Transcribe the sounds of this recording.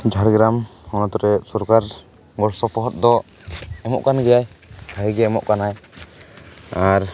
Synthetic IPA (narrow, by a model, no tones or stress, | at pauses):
d͡ʒʱaɾɡɾamhɔnat̪ɔɾɛsɔɾkaɾ | ɡɔɽsɔpɔɦɔt̪̚d̪ɔ | ɛmɔ̰ʔkanɡɛjajbʱaiɡɛɛmɔ̰ʔkanaj | aɾ